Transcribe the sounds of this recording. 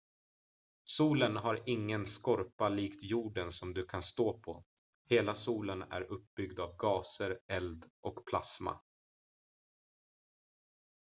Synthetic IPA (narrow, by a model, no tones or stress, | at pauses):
suːlənɦaɾɪŋːənskɔɾpaliːkt̪juːɖənsɔmd̪ɵkʰanst̪oːpʰɔ | heːlasuːlənæ̰ɾɵp̚bʏɡd̪avɡɑːsəɾɛld̪ʔɔkpʰla̰sma̰